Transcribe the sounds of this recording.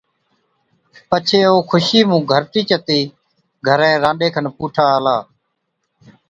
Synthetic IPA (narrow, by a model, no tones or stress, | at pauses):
pət͡ʃʰeːoːkʰʊʃiːmũːɡʱəɾʈiːt͡ʃət̪iː | ɡʱəɾɛ̃ːɾãːɖeːkʰənpuːʈʰaːlaː